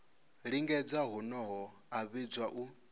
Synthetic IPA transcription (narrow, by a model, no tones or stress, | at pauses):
ɺiŋɡɛd͡zaɦunɔɦɔ | aβid͡zwaʔu